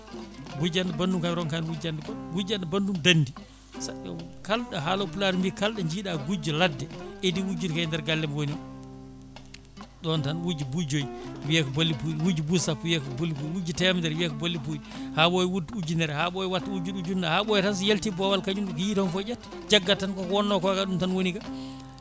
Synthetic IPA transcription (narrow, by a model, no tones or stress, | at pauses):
ɡud͡ʒandɛbandumkamɾɔnkanwud͡ʒandɛɡud͡ʒandɛbandumdandi | sa | kalɗaɦalopulaɾmbikalɗɛɲd͡ʒiːɗaɡud͡ʒɔladːɛʔediwud͡ʒuɾkajndɛɾɡalːɛmwoniɔ | ɗɔntanwud͡ʒibud͡ʒojwiɛkɔbolːipuɗiwud͡ʒubusapːuwiɛkɔbolːip̬uwud͡ʒitɛmdɛɾwiɛkɔbolːip̬uɗihaɓɔjwudud͡ʒunɛɾɛhaɓɔjɛwatːaud͡ʒuɗud͡ʒundahaɓɔjɛtans̬jeltibɔwalkaɲumɗɔkɔjitɔnfɔd͡ʒɛtː | d͡ʒaɡːatankɔkɔwɔnːɔkɔkaɗumtanwoniɡa